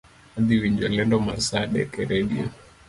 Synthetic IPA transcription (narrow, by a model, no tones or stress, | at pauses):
ad̪iwiɲd͡ʒɔlɛndɔmaɾsaɗɛ̰kɛɾɛɗia